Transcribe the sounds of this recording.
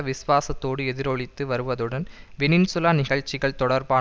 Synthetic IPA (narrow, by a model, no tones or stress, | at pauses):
ɐʋɪsʋaːsɐt̪ːoːɽɯɛðɪɾɔɭɪt̪ːɯʋɐɾɯʋɐðɯɽɐnʋɛnɪnsʊlaːnɪɣɐɭt͡ʃːɪɣɐɭt̪ɔɽɐɾbaː